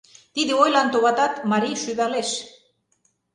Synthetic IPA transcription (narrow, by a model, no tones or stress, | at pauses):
t̪iðeojlant̪oβat̪at̪maɾiʃyβaɾles